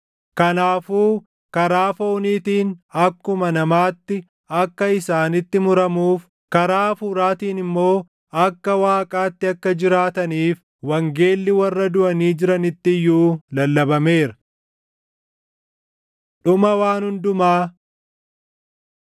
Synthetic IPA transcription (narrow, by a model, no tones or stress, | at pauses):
kɐnaːfuː | kɐɾaːfo̞ːniːt̪iːnɐkːʊmɐnɐmaːt̪ːɪ | ɐkːɐɪsaːnɪt̪ːɪmʊɾɐmuːf | kɐɾaːfuːɾaːt̪iːnɪmːo̞ː | ɐkːɐwaːkʼaːt̪ːɪɐkːɐd͡ʒɪɾaːt̪ɐniːf | wɐŋɡe̞ːlːɪwɐrːɐd̪ʊʔɐniːd͡ʒɪɾɐnɪt̪ːɪjːuːlɐlːɐbɐme̞ːɾɐ | ᶑʊmɐwaːnhʊnd̪ʊmaː